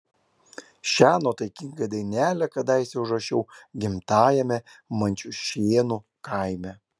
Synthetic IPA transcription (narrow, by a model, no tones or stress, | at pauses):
ʃʲæːnoːt̪ɐɪkʲɪŋɡɐd̪ɐɪnʲæːlʲɛkɐd̪ɑɪsʲɛʊʒɐʃʲɛʊɡʲɪmt̪ɑːjɛmʲɛmɐnʲt͡ʃʲuʃʲeːnu | kɐɪmʲɛ